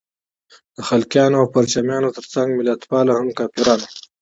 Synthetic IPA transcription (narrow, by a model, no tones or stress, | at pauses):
d̪̥əxalkjɑːnoawpaɾt͡ʃamjɑnot̪əɾt͡saŋɡmɪlat̪pɑlahamkɑːpiɾɑːna